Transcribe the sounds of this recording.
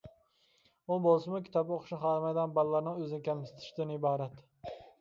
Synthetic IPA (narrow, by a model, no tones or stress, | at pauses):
ʊbolˠsɪmʊkʲʰɪt̪ɒboqχʃnɪχɑɾmajd̪anbalːaɾnɪŋɵzɪnɪkʲʰamsɪ̥t̪ʰɪ̥ʃd̪ɪnɪbɑːɾat̪